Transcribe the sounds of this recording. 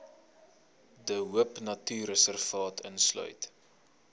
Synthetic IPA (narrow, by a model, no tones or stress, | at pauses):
dəɦuəpnɐtyːɾəsərfɑːtʰə̰nslœ̰ɥt